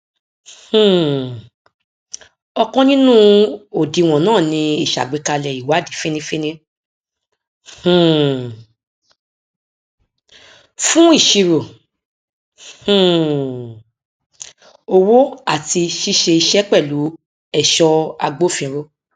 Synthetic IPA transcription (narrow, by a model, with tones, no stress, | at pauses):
h̩˨ | ɔ˧kɔ̃˦nĩ˦nũ˦o˨di˨w̃ɔ̃˨nãː˦˨nĩ˧i˦˨ʃa̰˨ɡ͡be˨˦ka˧lɛ˨i˨wa˨˦di˨˦fĩ˦nĩ˧fĩ˦nĩ˦˨ | fũ˦i˦˨ʃi˧ɾo˨ | o˧wo˦a˦˨ti˧ʃi˦ʃe˧i˧ʃɛ˦k͡pɛ˦˨lu˨˦ | ɛ˦˨ʃɔ˧a˧ɡ͡bo˦˨fĩ˧˨˦ɾo˧